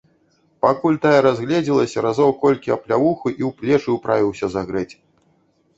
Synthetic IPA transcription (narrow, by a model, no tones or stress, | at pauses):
pakulʲt̪ajɛɾazɣlʲɛd͡zʲilˠɐsʲɐɾazɔwkɔlʲkʲiɐplʲavuxɨʔiwplʲɛt͡ʂɨwpɾʔavʲiwsʲɐzaɣɾɛt͡sʲ